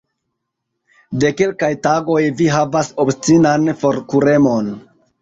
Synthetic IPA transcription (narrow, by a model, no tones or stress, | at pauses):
de̞ke̞lkajtaɡo̞jviɦavaso̞pst͡sinanfo̞ɾkuɾe̞mo̞n